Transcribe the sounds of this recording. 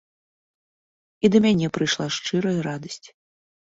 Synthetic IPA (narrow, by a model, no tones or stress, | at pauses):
id̪ɐmʲanʲɛpɾɨjʂlˠaʂt͡ʂɨɾɐjɐɾad̪ɐsʲt͡sʲ